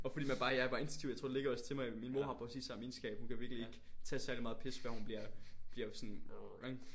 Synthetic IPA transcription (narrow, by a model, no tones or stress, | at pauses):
ɒfɒ̽d̥ḭːmænb̥ɑ̈ːjɑɪʋɑ̈e̝nsʰu̥t͡sʰḭʊjt͡sʰʁo̝̰d̥ele̝ɡ̥ɐɒ̽st͡sʰe̝mɑ̈ɪminmo̝ɦɑ̈pʰʁɛsḭːsːɑ̈miːnsɡ̥ɛ̰ːb̥hunkʰæʋiɐɡ̥lie̝ɡ̥t͡sʰɛ̰ːsæɐlimɑ̈ːð̩ˠpʰesʋæɐhunb̥liɐ̰b̥liɐsɔ̽neɡ̥